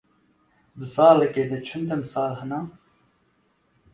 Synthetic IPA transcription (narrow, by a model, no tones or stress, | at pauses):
d̪ɨsɑːlɛkeːd̪ɛt͡ʃʰɐnd̪ɛmsɑːlhɨnaː